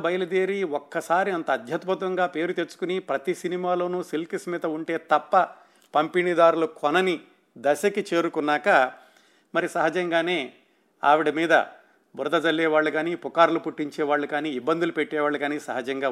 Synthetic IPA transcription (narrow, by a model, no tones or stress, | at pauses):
bɐjɐlɐd̪eːɾiɔkːɐsaːɾiɐnt̪ɐːd̪ʱjɐt̪but̪ʋɐŋɡaːpe̞ːɾut̪et͡ʃːu̥kunipɾɐt̪isinimaːlo̞ːnuːsilkismiːt̪ɐuɳʈe̞ːt̪ɐpːɐ | pɐmpiɳid̪aːɾulukʰɔnɐni | d̪ɐʃɐkit͡ʃe̞ːɾukunːaːkɐ | mɐɾisɐɦɐd͡ʒɐŋɡaːne̞ː | a̰ːʋiɽimiːd̪ɐ̰ | buɾd̪ɐd͡ʒɐlːɛːʋaːɭːuɡaːniːpukaːɾlupuʈːiɲt͡ʃɛːʋaːɭːɐkaːniːbːɐnd̪ulupeʈːɛːʋaːɭːɐɡaːniːsɐɦɐd͡ʒɐŋɡaː